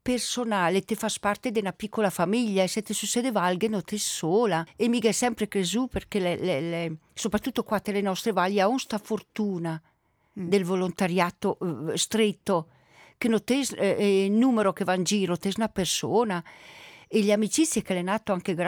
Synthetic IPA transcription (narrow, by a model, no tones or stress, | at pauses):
personaːlet̪efaspart̪ed̪enapikːolafamiʎːaeset̪esusːɛd̪evalɡenot̪esːoːlaemiɡɛsɛmpɾekɾezuperkelelelɛsopɾat̪ːut̪ːokwat̪ːelenɔst̪ɾevalːaunst̪afort̪uːna | d̪elvolont̪aɾjaːt̪ost̪ɾet̪ːo | kenot̪eznumeɾokevand͡ʒiːɾot̪eznapersoːna | eʎamit͡ʃit̪sːjekelɛnaːt̪oaŋkeɡɾ